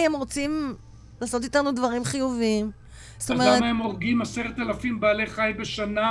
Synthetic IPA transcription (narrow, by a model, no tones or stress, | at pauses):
emʁo̞t͡sim | laːso̞t̪̬itanudvaʁimχijuvim | st̪omeaemaemo̞ʁɡimaseʁet̪alafimbaːle̞χajbeʃana